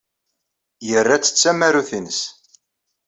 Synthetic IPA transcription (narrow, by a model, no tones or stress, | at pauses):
jərːat͡sːə̥t͡sːæmæɾuθinəs